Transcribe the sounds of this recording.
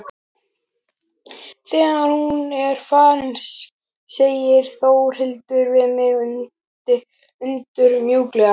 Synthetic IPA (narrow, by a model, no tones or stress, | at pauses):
θɛːɣaɾhunɛɾ̥fansː | ejɪɾ̥θowr̥hɪlt̪ʏɾvɪðmɪɣʏn | ʏnt̪ʏɾmjuːklɛɣa